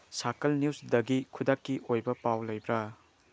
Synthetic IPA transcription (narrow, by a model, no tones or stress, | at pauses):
sakɐlniusdɐɡikʰudakːiʔojbɐpawlɐjbɾa